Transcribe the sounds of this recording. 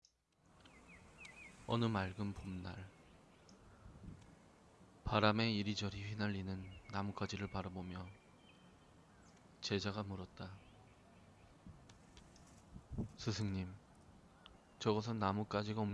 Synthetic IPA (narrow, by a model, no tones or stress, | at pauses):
ʌnɯmaɭɡɯmpomnaɭ | paɾame̞iɾid͡ʑʌɾiɸɥinaʎːinɯnːamuk͈ad͡ʑiɾɯɭpaɾabomjʌ | t͡ɕe̞d͡ʑaɡamuɾʌt̚t͈a | sʰɯsʰɯŋɲim | t͡ɕʌɡʌs̬ʰʌnːamuk͈ad͡ʑiɡaom